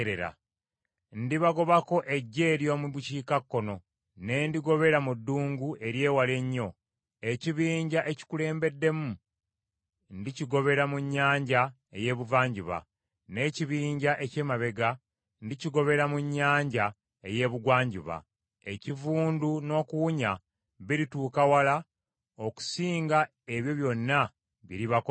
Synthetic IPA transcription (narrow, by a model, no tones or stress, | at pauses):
ɾeɾa̰ | ndiβaɡo̞βako̞ʔe̞ɟːe̞ːɾjo̞muβuciːkakːo̞no̞ | ne̞ːndiɡo̞βe̞ɾamudːuːŋɡuʔe̞ɾje̞ːwale̞ɲːo̞ | e̞ciβiːɲɟaʔe̞ci̥kule̞ːmbe̞dːe̞mu | ndiciɡo̞βe̞ɾamuɲːaːɲɟa | eje̞ːβuvaːɲɟiβa̰ | ne̞ciβiːɲɟaʔe̞ce̞ːmaβe̞ɡa | ndiciɡo̞βe̞ɾamuɲːaːɲɟa | eje̞βuɡwaːɲɟiβa̰ | e̞civuːnduno̞ːkuwuɲa | βiɾituːkawala | o̞ku̥siːŋɡa | e̞βjo̞βjo̞nːa | βḭɾiβak